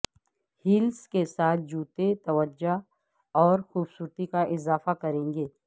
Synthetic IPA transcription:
hɪlskesaːt̪̚ʰd͡ʒuːt̪et̪ɐʋəd͡ʒa | ɔːɾxuːbsuːɾt̪ikaʔɪzaːfakɐɾẽːŋɡeː

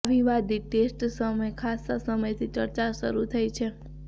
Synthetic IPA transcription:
ʋiʋad̪ʱiʈesʈsəməjkʰasːasəməjt̪ʰit͡ʃəɾt͡ʃaʃə̰ɾut̪ʰəjt͡ʃʰe

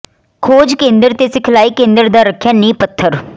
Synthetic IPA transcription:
kʰoːd͡ʒkẽːnd̪əɾt̪eːsɪkʰlaːiːkẽːnd̪əɾd̪aːɾəkʰjaːnĩːpət̪ʰːəɾ

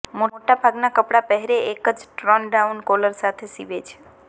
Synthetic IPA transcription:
moʈabʱaɡnakəpɽapəɦɛɾeekəd͡ʒʈɾənɖaunkoləɾsat̪ʰesiʋet͡ʃʰe̥

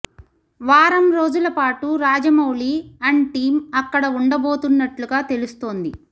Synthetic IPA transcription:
ʋaːɾɐmɾo̞ːd͡ʒulɐpaːʈuɾaːd͡ʒɐmɐwliːɐɳʈiːmɐkːɐɽɐuɳɖɐbo̞ːt̪unːɐʈluɡaːt̪e̞lust̪o̞ːnd̪i

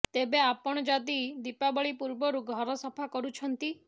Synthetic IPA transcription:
t̪ebeapɔɽ̃ɔd͡ʒad̪id̪ipabɔɭipuɾbɔɾuɡʱɔɾɔsɔpʰakɔɾut͡ʃʰɔnt̪i

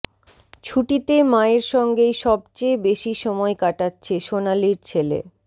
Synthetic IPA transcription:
t͡ɕʰuʈit̪emaeɾʃɔŋɡejʃɔb̚t͡ɕebeʃiʃɔmɔekaʈatːɕʰeʃonaliɾt͡ɕʰelḛ

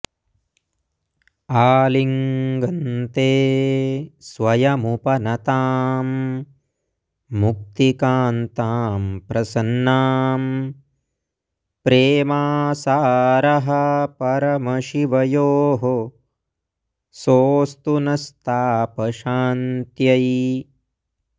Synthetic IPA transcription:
aːliŋɡɐnt̪eː | sʋɐjɐmupɐnɐt̪aːm | uk̚t̪ikaːnt̪aːmpɾɐsɐnːaːm | pɾeːmaːsaːɾɐɦɐpɐɾɐmɐʃiʋɐjoːɦo | soːst̪unɐst̪ʰaːpɐʃaːnt̪jɐj

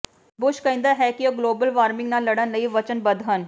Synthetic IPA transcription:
bʊʃkəĩnd̪aːɦɛːkɪoːɡloːbəlʋaːɾmɪ̃ŋɡnaːlːəɽənləiːʋət͡ʃənbəd̪ɦən

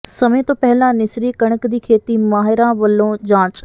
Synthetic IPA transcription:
sɐmẽt̪opɛɦɪlãnɪsɾikɐɽ̃əkd̪iːkʰeːt̪imaːɦɪɾãʋɐlːõd͡ʑãːt͡ɕ

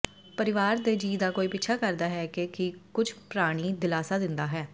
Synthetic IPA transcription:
pəɾɪʋaːɾd̪eːd͡ʒiːd̪aːkoːiːpɪtːʃʰaːkəɾd̪aːɦɛːkɪkɪkʊd͡ʒpɾaːɽ̃iːd̪ɪlaːsaːd̪ɪnd̪aːɦɛː

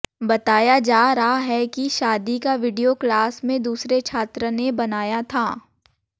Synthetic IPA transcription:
bɐt̪aːjad͡ʒaːɾɐɦaɦɛkiʃaːd̪ikaʋɪɖijoklaːsmẽd̪uːsɾet͡ʃʰaːt̪ɾənebɐnaːjat̪ʰaː

